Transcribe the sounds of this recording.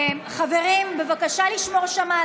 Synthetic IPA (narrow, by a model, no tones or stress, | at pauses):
mχave̞ʁimbe̞vakaʃaliʃmo̞ʁʃama